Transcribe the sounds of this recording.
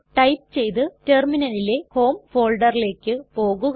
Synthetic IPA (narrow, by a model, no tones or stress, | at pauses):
ʈɐjp̚t͡ɕe̞jt̪ɨte̞ːrminɐlile̞ho̞ːmfo̞ːlɖɐrile̞ːkːɨpo̞ːɣuɣ